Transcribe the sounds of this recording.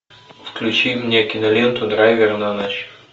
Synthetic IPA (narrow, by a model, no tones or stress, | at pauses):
fklʲut͡ʃimnʲɛkinɐlʲent̪ʊd̪ɾajvʲɛɾnanaʃ